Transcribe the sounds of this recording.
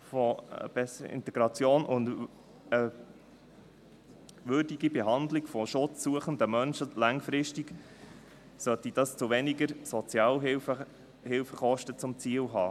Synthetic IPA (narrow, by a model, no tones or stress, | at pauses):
fɔ̰b̥ɛsəɪ̰nt̪ɛɡɾɑt͡sjoːnʔʊnd | ə | ʋʏɾdiɡibɛɦɑnd̪lɪɡ̥fɔʃʊt͡sːuəχənd̪əmœnʃəlɑŋfɾɪʃtiɡ | sœtid̥ɑst͡sʊʋɛniɡəɾsɔt͡sjɑːlɪfə | hɪlfəχɔʃtət͡sʊmt͡siːəlɦɑ̰ː